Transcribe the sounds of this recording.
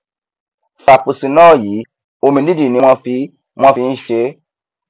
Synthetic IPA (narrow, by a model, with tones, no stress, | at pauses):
fa˨pu˨si˨nɔ̃ː˦˨jiː˨˦ | o˧mĩ˧di˦di˦˨nĩ˧˦w̃ɔ̃˦fi˧˦ | w̃ɔ̃˦fi˧n̩˦ʃe˧˦